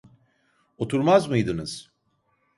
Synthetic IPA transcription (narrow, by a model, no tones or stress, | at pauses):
ot̪ʰuɾmazmɯjd̪ɯnɯz̥